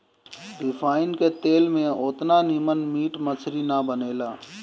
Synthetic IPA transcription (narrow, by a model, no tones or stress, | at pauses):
ɖɪfʰaːɪnket̪eːlmẽʊt̪nanimənmiːʈmət͡ʃʰɾinabəneːlaː